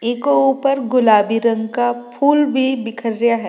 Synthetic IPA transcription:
eːkouːpəɾɡʊlaːbiɾə̃ŋɡkapʰuːlbʱibɪkʰəɾjaɦɛː

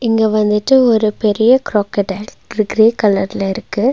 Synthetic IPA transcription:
ɪŋɡeʋɐnd̪ɯʈːɯɔɾɯpɛɾɪjɐkɾoːkːɐʈɐl | ɾɡɾeːkɐlɐɾɪlɐɪɾɯkːɯ

